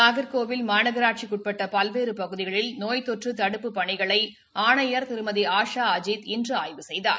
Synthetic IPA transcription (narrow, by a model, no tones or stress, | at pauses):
aːɣɐɾkoːʋɪlmaːɳɐɣɐɾaːʈ̚t͡ʃikːʊʈ̚pɛʈːɐpɐlʋeːɾɯpɐɣɯðɪɣɐɭɪlnoːjt̪ɔʈrɯt̪ɐɽɯpːɯpɐɳɪɣɐɭɐɪ | aːɳɐjɐɾt̪ɪɾɯmɐðiaːʂaːɐd͡ʒiːt̪ɪndrɯaːjʋɯsɛjða̰ːɾ